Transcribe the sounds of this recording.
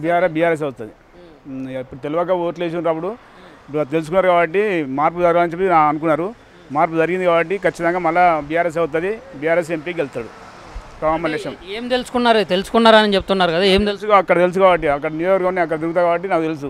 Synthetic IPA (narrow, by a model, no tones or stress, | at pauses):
bijaːɾesbijaːɾes̬ɐwt̪ad̪i | ipːuɽut̪eluʋɐkːaoːʈleːs̬uunɾaːp̬ːuɽu | t̪e̞lusukunːaːɾukaːbɐʈːimaːɾp̬ud͡ʒɐɾɡaːlɐnt͡ʃep̪ːnaːɐnukunːaːɾu | maːɾp̬ːud͡ʒɐɾiɡind̪ikaːbɐʈːikɐt͡ʃːit̪ɐŋɡaːmɐlːabiːjaːɾes̬ɐwut̪̬ɐd̪ibiːjaːɾeːs̬empiːɡelt̪aːɽu | kamɐneʂɐmeːmt̪e̞lusu̥kunːaːɾt̪e̞lusu̥kunːaːɾanit͡ʃep̚t̪unːaːɾukɐd̪aeːmt̪elusuaɐkːɐɽɐt̪elus̬ukaːbɐʈ̬ːiɐkːɐɽɐnijɔɐɾɡɐunːiɐk̬ːɐɽɐt̪iɾɡut̪aːkaːbɐʈːinaːkut̪̬elus̬u